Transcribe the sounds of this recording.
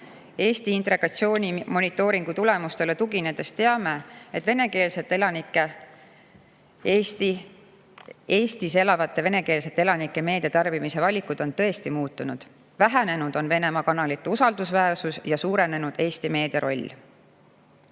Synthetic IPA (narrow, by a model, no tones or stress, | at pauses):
e̞ːst̪iint̪ˑɾeɡ̥ɑt̪sio̞ːnʲimo̞nʲit̪ːˑo̞ːɾiŋɡ̥ut̪ule̞must̪e̞le̞t̪uɡined̪̥e̞st̪e̞ɑmee̞t̪ve̞ne̞ke̞ːlse̞t̪ːˑelɑnikːˑe | est̪i | eːst̪is̬e̞lɑvɑt̪ːˑe̞ve̞ne̞ke̞ːlse̞t̪ːe̞lɑnikːˑe̞me̞ːd̪̥jɑt̪ɑrb̥imise̞vɑlʲikud̪̥o̞nt̪ɤ̞e̞st̪imuːt̪ːˑunud̪̥ | væɦæne̞nud̪̥o̞nve̞ne̞mɑkɑnɑlit̪ːˑeusɑld̪usvæːrsusjɑsuːɾe̞ne̞nud̪̥e̞ːst̪ime̞ːd̪̥jɑɾʔo̞̰lʲː